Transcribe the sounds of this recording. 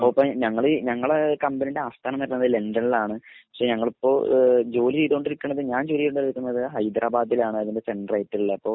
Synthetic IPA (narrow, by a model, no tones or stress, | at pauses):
oɐpːɐɲɐŋːɐɭiɲɐŋːɐɭekɐmbɐnideaːst̪ʰaːnɐmːɐɾnːɐðɨle̞ndɐnilaːɳɨpɐ̥kʂe̞ɲɐŋːɐɭipːo̞ːd͡ʑo̞ːliɾiːðioɳɖiɾikʲːuɳːɐðɨɲaːnt͡ɕuːɾijːuɳɖɐliɾkʲːunːɐðɨɦɐjd̪ɾʔaːbaːd̪ilaːɳɨɐðinde̞seɳɖrɐjtːililːɐːpːo̞ː